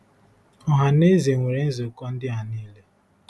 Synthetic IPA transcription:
ɔ˦ɦa˨ne˦ze˨ŋʷe˨ɾe˨n̩˦zo˨kɔ˦n̩˦dɪ˦ɦa˨niː˦le˦

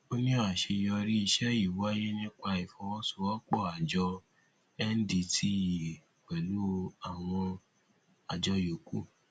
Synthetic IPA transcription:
o˦nĩ˦ɔ˦a˨ʃe˧jɔ˧ɾi˦i˧ʃɛ˦i˦˨wa˦je˦nĩ˦k͡pa˧i˨fɔ̃˧wɔ̃˦su˦˨ɔ˦k͡pɔ˦˨a˨d͡ʒɔ˧ | ɛ˦n̩˦di˧tʰi˦˨k͡pɛ˨lu˦o˧a˨w̃ɔ̃˧ | a˨d͡ʒɔ˧jo˨ku˦

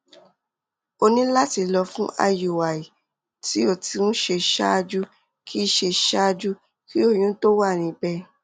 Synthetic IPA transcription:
o˧nĩ˦la˦ti˧lɔ˧fũ˦a̰˧ju˨wa˨i˨ | ti˨˦o˦˨ti˧nũ˦ʃe˧ʃa̰˦˧d͡ʒu˦ | kʰi˦˧˦ʃe˧ʃa˦˧d͡ʒu˦ | ki˦o˦˨j̃ũ˦to˦wa˦˨ñĩ˧˦bɛ˦˧

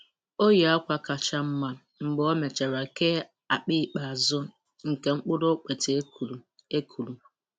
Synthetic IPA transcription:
o˦ja˦kʷa˨ka˨t͡ʃa˦m̩˦ma˨ | m̩˨ɡ͡bɔ˦me˨t͡ʃe˨ɾa˨ke˦ | a˨k͡pi˦˨k͡pa˨a˨zʊ˦ | ŋ̩˨ke˨ŋ͡m̩˦k͡pʊ˦do˦k͡pe˨te˨˦˨ | e˦kʰu˨lu˨

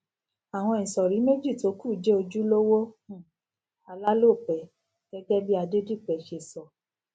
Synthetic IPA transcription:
a˨w̃ɔ̃˧ĩ˨sɔ˨ɾi˨˦me˦d͡ʒi˦˨to˨˦ku˦˨d͡ʒe˦o˧d͡ʒu˦lo˦wõ˦˨ | a˧la˦lo˦˨k͡pɛ˨˦ | ɡ̥ɛ˦ɡɛ˦bi˦a˧de˦di˦˨k͡pɛ˨ʃe˧˨sɔ˨

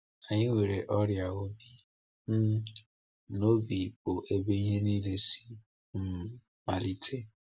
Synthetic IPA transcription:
a˨ɲɪ˦ŋʷe˨ɾe˨ʔɔ˦ɾja˨o˦bi˦ | m̩˦ | no˦bi˨pʊ˨ʔe˦be˦i˦ɦe˦ni˦le˦si̥˦ | m̩˦˨ | ma˨li˦tʰe˦

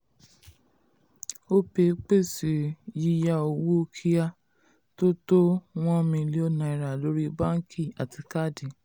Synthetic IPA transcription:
o˦pe˧˦k͡pe˦˨si˨ji˧ja˧o˧˨wo˦o˦kʰi˦ja˦ | to˦to˦w̃ɔ̃˦mĩ˧li˦ɔ˦nã˧˨i˨˧ɾa˨lo˦ɾi˦ba˦ŋ̩˦kʰi˦˨a˨ti˧ka˦˨di˨˦

